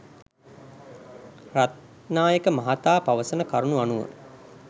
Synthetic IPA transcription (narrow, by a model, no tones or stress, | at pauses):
rat̪ | naːjəkəmaɦat̪aːpaʋəsənəkaɾunuanuʋə̰n